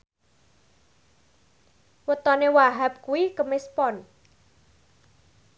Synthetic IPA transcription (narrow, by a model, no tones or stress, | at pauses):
wət̪ɔnewaɦap̚kuwikəmɪspɔn